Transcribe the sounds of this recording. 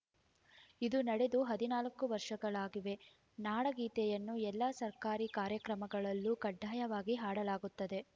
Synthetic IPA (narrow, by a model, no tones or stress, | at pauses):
id̪unɐɽe̞d̪uɦɐd̪inaːlɐkːuʋɐɾʂɐɡɐɭaːɡiʋe̞ | naːɽɐɡiːt̪ɛjɐnːuɛlːasɐɾkaːɾikaːɾjɐkɾɐmɐɡɐɭɐlːukɐɖʱːaːjɐʋaːɡiɦaːɽɐlaːɡut̪ːɐd̪e̞